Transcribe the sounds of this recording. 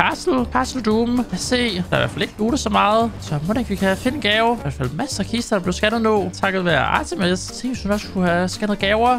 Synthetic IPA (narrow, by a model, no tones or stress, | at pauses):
kʰɑ̈sl̩kʰɑ̈sl̩d̥uːmæse̝̰ːd̥ɑ̈jiʋæ̰ɐfæle̝ɡ̥əd̥uːdəsɒ̽mɑ̈ːð̞̩ˠsɒ̽modekʰʋikʰæfe̝nɡ̥ɛːʊʋæɐ̥fæl̰mæsɐkʰisd̥ɐ̥ɑb̥leʊsɡ̥ænð̩ˠnɔ̰t͡sʰɑ̈ɡ̥ð̩ˠʋæɐɑ̰̈ːt͡sʰemest͡sʰe̝ŋ̰̥sunɒ̽sə̥kʰuhæsɡ̥ænð̩ˠɡ̥ɛːʊɐ